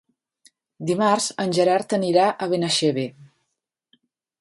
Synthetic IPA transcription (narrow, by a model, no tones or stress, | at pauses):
d̪imarzənʲʒəɾaɾt̪əniɾaʔəβ̞enəʃeβe